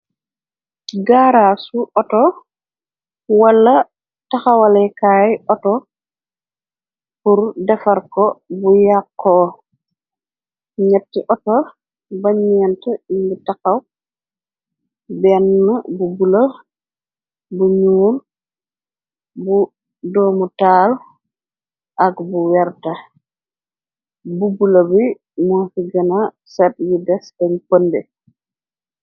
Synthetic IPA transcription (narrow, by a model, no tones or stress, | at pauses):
ɡaːɾasuʔɔtɔ | wɐlːɐ | taxɐwɐlɛjkaːjʔɔtɔ | puɾdɛfɐɾkɔbujakːɔː | ɲɛtːiʔɔtɔ | baɲɛntɛimbutakɐw | bɛnːɐbubulɐ | buɲuːl | bu | dɔːmutaːl | ʔɐkbuwɛɾtɐ | bubulɐbi | munfiɡɐna | sɛt̚judɛsdɐɲpəndɛ